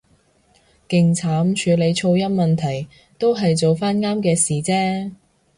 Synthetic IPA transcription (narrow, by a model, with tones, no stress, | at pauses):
kɪ˨ŋt͡sʰaː˨˥mt͡ʃʰyː˨˧le˨˧jt͡ʃʰo˧wjɐ˥t̚mɐ˨nt̪ʰɐ˨˩j | t̪o˥wɦɐ˨jt͡so˨wfaː˥nŋaː˥mkɛː˧siː˨t͡sɛː˥